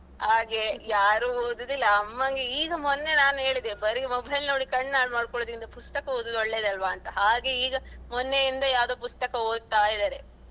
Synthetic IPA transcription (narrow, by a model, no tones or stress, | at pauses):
haːɡe̞jaːɾuoːd̪d̪ilːɐːmːɐŋɡeiːɡɐmɔnːe̞naːnuɦe̞ːɭid̪ebɐɾimɔbʱɐjlnoːɽikɐɳːnaːɽmaːɽkɔɭoːd̪ind̪ɐpust̪ɐkɐoːd̪ɐd̪oɭːeːd̪ɐlʋaːnt̪ɐɦaːɡe̞iːɡɐmɔnːejind̪ɐjaːʋd̪oːpust̪ɐkɐo̞ːd̪̚t̪aːjid̪aːɾe̞